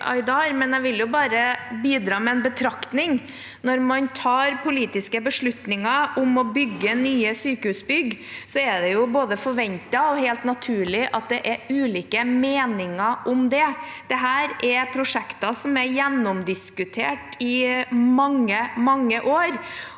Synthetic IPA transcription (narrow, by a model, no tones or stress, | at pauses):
ʔɑ̰ɪd̪ɑːɾmɛnæʋɪljʊbɑːɾəbiːd̪ɾɑːmɛɛnbət̪ʰɾɑkt̪nɪŋ | nɔɾmɑnt̪ʰɑːɾpʰʊliːt̪ɪskəbəʂɭʉt̪nɪŋɑʊmɔbʏɡːənyːəsyːkəhʉːsbʏɡsɔɛɖɛjʊboːd̪əfɔɾʋɛnt̪ɑɔheːlt̪nɑt̪ʰʉːɭɪʔɑt̪̚d̪ɛʔɛɾʉːliːkəmeːnɪŋɑʔɔmd̪ɛd̪̥ɛɦæːɾɛpʰɾʊʂɛkt̪ɑsɔmɛɾjɛnːɔmd̪ɪskʉt̪ʰeːʈɪmɑŋːəmɑŋːəʔoːɾ